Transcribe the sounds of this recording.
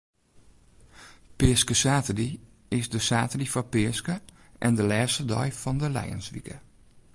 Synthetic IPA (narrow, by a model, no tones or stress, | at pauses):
pɪskəsaːtədi | ɪsdəsaːtədifɔpɪəskə | ʔɛndəlɛːstədɔ̰jfɔndəlɛ̰jə̰nsʋikʰə